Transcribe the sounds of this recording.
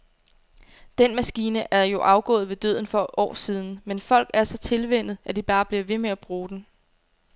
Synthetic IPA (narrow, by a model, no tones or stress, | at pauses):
d̥en̰mæsɡ̥iːnəʔæɐjo̝ʔɑ̈ʊɡ̥ɔ̰̽ːð̞̩ˠʋe̝d̥ø̰ðˠn̩fɒ̽ʔɒ̰ːsiːð̞ˠn̩menfɒ̽l̰ɡ̥æɐsɒ̽t͡sʰe̝lʋen̰ð̞̩ˠæd̥ib̥ɑ̈ːb̥liɐʋe̝meæb̥ʁuːd̥en